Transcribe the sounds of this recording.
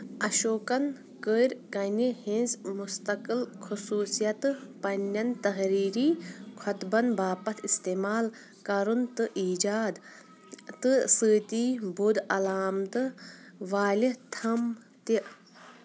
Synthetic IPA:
ɐʃoːkɐn | kəɾʲkɐnihĩnzmust̪ɐkɨlkʰusuːsijɐt̪ɨpɐnʲːɐnt̪ɐɦɾiːɾiːkʰɐt̪bɐnbaːpɐt̪ʰist̪eːmaːl | kɐɾunt̪ɨʔiːd͡ʒaːd̪ | t̪ɨsɨːt̪iːbud̪ɐlaːmt̪ɨʋaːlit̪ʰɐm | t̪i

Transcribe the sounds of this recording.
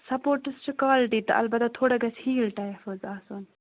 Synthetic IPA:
sɐpoːɾʈɨst͡ʃʰikaːlʈiːt̪ɐ̰ʔɐ̰lbɐt̪ɐt̪ʰoːɽɐɡɐshiːlʈajfoːzaːsoːn

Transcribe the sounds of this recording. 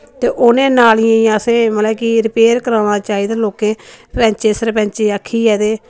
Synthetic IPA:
t̪eːʔʊnẽːnaːlɪjãjãsẽːməlɛːkiɾɪpeːɾkəɾaːnãːt͡ʃaːiːd̪aːloːkẽːɾɛ̃ːɲt͡ʃeːsəɾpɛ̃ːɲt͡ʃeːaːkʰːiːɛːd̪eː

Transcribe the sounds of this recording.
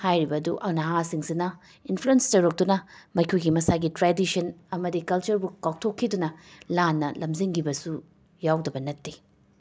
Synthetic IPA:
hajɾibɐduʔɐnɐɦasiŋsinɐ | inpʰluenstɐɾɐk̚dunɐmɐjkʰujɡimɐsaɡitɾadisɐnɐmɐdikɐlt͡ʃɐɾbukawk̚tʰokʰːidunɐlanːɐlɐmziŋɡibɐsu | jawdɐbɐnɐtːi

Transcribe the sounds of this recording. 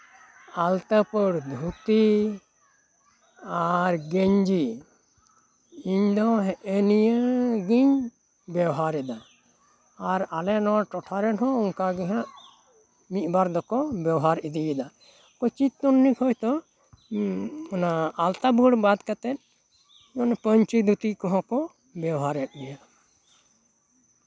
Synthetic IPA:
alt̪apəɽd̪ʱut̪i | aɾɡɛɲd͡ʒi | iɲd̪ɔɦɛʔɛnijəɡiɲ | bɛwɦaɾɛd̪aː | ɾalɛnɔaʈɔʈʰaɾɛnɦɔ̃uŋkaɡɛɦãʔ | mit̪̚baɾd̪ɔkɔbjɛwɔɦaɾid̪ijɛd̪a | kɔt͡ʃit̪tːunːikʰɔjt̪ɔ | ɔnaalt̪abuɽbad̪kat̪ɛt̪̚ | jɔnpəɲt͡ʃid̪ʱut̪ikɔɦɔ̃kɔ | bɛwɦaɾɛt̪̚ɡɛja

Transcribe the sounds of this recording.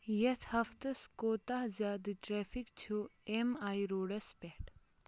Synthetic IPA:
jɐt̪ʰhɐft̪ɨskoːt̪aɦzʲaːd̪ɨʈɾeːfikt͡ʃʰuemaːjɾoːɽɐspɛʈ

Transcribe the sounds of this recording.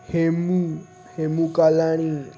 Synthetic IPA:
hemu | hemukalaɽ̃i

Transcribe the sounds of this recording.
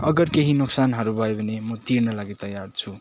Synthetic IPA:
ʌɡʌrkeɦinuksanɦʌɾubʱʌebʱʌnemʌt̪irnʌlaɡit̪ʌjart͡sʰu

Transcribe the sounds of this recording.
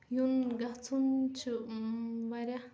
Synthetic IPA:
junɡaht͡sunt͡ʃu | waɾja

